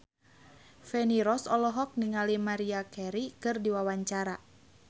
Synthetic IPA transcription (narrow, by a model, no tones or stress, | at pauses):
fɛniɾɔsɔlɔɦɔk̚niŋalimaɾiakɛɾikɨrdiwawaɲt͡ʃaɾa